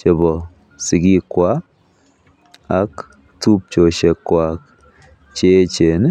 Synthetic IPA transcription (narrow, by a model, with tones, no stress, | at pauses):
t͡ʃɛ˨bɔ˨ | sɪ˨ɡi˦kwa˦ | a˦k | t̪u˦p̚t͡ʃo˨ʃe˨kːwa˨k | t͡ʃe˦t͡ʃe˨n